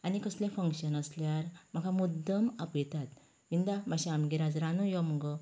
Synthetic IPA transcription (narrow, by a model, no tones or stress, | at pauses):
anikəslẽfəŋkɕənəsljaɾmakamud̪ːəmapjɛt̪at̪ | ʋind̪amaɕaamɡiɾad͡zɾanujɔmɡə